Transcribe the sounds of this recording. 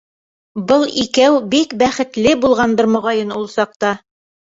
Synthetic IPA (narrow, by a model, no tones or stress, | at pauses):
bɤlˠikæwbikbæχɘ̆t̪lɘbulˠʁɑnb̪ɤɾmŏʁɑjɤnulˠsɑq̚t̪ɑ